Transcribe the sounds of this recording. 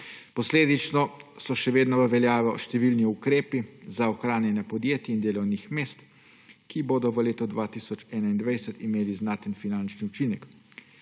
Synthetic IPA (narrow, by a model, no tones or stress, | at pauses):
pɔsleːd̪it͡ʃnɔsɔʃɛʋeːd̪nɔʋəʋɛljaːʋɛɔʃt̪ɛʋilniukɾeːpizaɔxɾaːnjɛnɛpɔd̪jeːt̪jiind̪eːlɔwnixmeːst̪ | kiboːd̪ɔʋəleːt̪ɔd̪ʋaːt̪isɔt͡ʃɛːnaind̪ʋajsət̪imeːliznaːt̪ənfinant͡ʃniut͡ʃinɛk